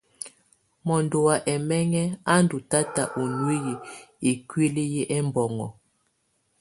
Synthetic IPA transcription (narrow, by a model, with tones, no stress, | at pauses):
mɔ˨ndo˨wa˨ʔɛ˨mɛ˦ŋɛ˦a˦ndu˨ta˦ta˨ʔo˨nwe˦je˨e˨kɥe˦le˦je˦ʔɛ˦mbɔ˨ŋɔ̰˨